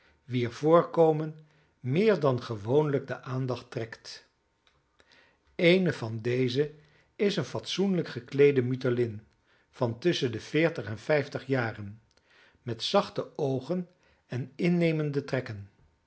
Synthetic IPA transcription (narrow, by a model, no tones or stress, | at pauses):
ʋiəɹv̥ʊːɹkowmən | mɪːɹdɑnχəʋownləɡ̚dəʔaːndɑχtrɛkt | ejnəvɑndejzə | ɪsənfɑtsunləkχəklejdəmytəlɪn | v̥ɑntʏsəndəfɪːɹtəχɛnfɛjftəχjaːrən | mɛtsɑχtəowχən | ɛnɪnːejməndətrɛkən